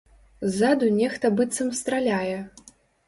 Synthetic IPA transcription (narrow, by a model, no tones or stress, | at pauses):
zːad̪unʲɛxt̪ɐbɨt̪sːɐmst̪ɾalʲajɛ